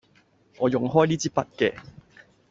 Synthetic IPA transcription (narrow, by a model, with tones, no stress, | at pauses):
ŋɔː˨˧jʊ˨˩ŋɦɔː˥jliː˦˥t͡siː˦˥pɐ˦t̚kɛ˧